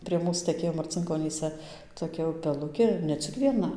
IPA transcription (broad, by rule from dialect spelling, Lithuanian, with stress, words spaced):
pʲrʲiɛ ˈmuːs tʲɛˈkʲeːjoː mɐrʲt͡sʲɪŋkoːˈnʲiːsʲɛ toːˈkʲɛ ʊpʲɛˈlˠʊkʲeː ɪr nʲɛ ˈt͡sʲɪk ʋʲiɛˈnɐ